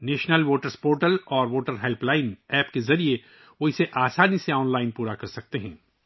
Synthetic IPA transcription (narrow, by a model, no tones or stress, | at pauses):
nɛːʃnəlʋoːʈəɾspoːʈəlɔːɾʋoːʈəɾɦɛlplaːɪnɛːpkezɐɾie | ʋoɪseʔaːsaːniseɔːnlaːɪnpuːɾakɐɾsɐk̚t̪eɦɛ̃ː